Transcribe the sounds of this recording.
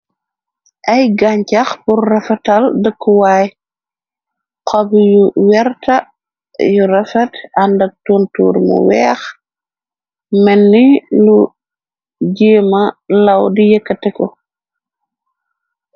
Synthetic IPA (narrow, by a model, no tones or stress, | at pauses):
ʔɐjɡaɲcɐxpurːɛfɛtɐldəkːuwaːj | qɔbijuwɛrtɐ | jurɛfɛtɐndɐk̚tuːntṵːɾmṵwɛːx | mɛnːilu | ɟeːmɐlɐwdijəkːətɛkɔ